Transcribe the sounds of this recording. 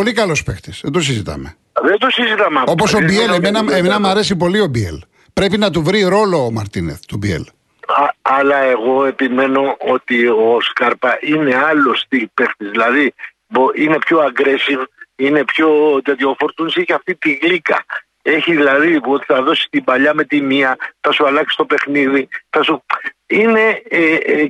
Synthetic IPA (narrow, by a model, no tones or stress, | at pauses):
po̞likɐlo̞spext̪isðend̪osizit̪ɐ̰me | ðend̪osizit̪ɐmeɐo̞pos̬obielemenɐemenɐmɐɾe̞s̬ipo̞lio̞biḛl | pɾe̞pinɐt̪̬uvɾiɾo̞lo̞ːmɐɾt̪ineθt̪ubiḛl | ɐlɐe̞ɣo̞e̞pime̞no̞ot̪ioskɐɾpɐʔine̞ɐlost̪ipe̞xt̪izðilɐði | boine̞pço̞ɐɡɾe̞sivine̞pço̞t̪iot̪iofo̞ɾt̪uniseçiɐft̪it̪iɣlikɐ̰ | e̞çiðilɐðiot̪iθɐðo̞si̥t̪imbɐʎɐme̞t̪iniɐθɐsuɐlɐksi̥st̪o̞pe̞xniðiθɐsuine̞